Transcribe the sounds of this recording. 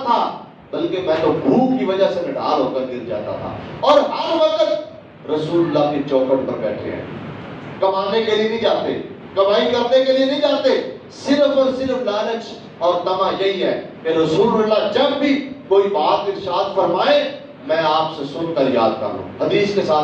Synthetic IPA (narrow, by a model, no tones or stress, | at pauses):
t̪ʰaː | bɐlkemɛ̃ːt̪obʱuːkkiʋɐd͡ʒasemɪɖʱa̰ːlɦoːkəɾɡ̪ɪɾd͡ʒa̰ːt̪a̰t̪ʰa̰ːɔːɾɦɐɾmək̪ət̪ | ɾɐsuːləlːaket͡ʃɔːkəɾpəɾbɛ̰ːʈʰḛɦɛ̰̃ːkɐmaːnekelienəĩd͡ʒaːt̪eː | kɐmaːikɐɾnekelienəĩd͡ʒaːt̪e | sɪɾəfəɾsɪɾəflɛːɾət͡ʃ | ɔːɾt̪ɐmãjɐɦiɦɛːkeɾɐsuːləlːad͡ʒɐbːʱikoːibaːt̪ɪɾʃaːd̪fəɾmaːẽ | mɛ̃ːaːpsesʊnkəɾja̰ːd̪kə̰ɾd̪õ̰ːɦɐd̪iːskesaː